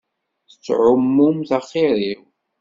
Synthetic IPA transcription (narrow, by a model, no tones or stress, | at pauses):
θət͡sːʕʊmːumθɑχːiɾiw